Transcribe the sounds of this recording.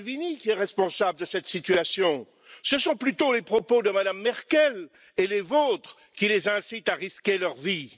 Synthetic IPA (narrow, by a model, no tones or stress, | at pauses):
vinikʲiɛʁɛspɔ̃sabləd̪əsɛt̪sit̪yasjɔ̃ | səsɔ̃plyt̪olepχɔpod̪əmad̪amːɛʁkʲɛl | elevot̪χə | kʲilezɛ̃sit̪aʁiskʲelœʁvi